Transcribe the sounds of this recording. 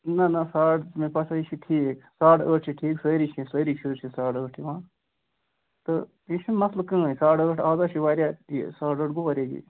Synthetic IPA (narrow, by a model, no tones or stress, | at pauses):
nɐnɐsaːʈmẽpɐsʰait͡ʃʰiʈʰiːksaːʈəːʈ̚t͡ʃʰiʈʰiːksəːɾit͡ʃʰĩsəɾit͡ʃʰut͡ʃʰisaːʈəːʈʰiʋãː | t̪ɨ | it͡ʃʰimɐslkə̃ːsaːʈəːʈʰaːd̪at͡ʃʰiʋaːɾjaːḭsaːʈəːʈɡuʋaɾʲeːɡḭ